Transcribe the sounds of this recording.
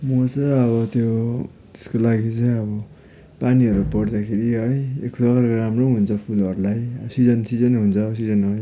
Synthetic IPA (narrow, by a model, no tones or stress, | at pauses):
mʌt͡sʌʌβʌt̪jo | t̪e̥skolaɡit͡sʌj̃ʌβʌ | paniɦʌɾupʌɽd̪akʰeɾiɦʌjekʰdʌkarkoɾamrõɦunt͡sʰʌpʰulʌɾulajʌsid͡zʌnsid͡zʌnɦunt͡sʰʌs̬id͡zʌnɦʌj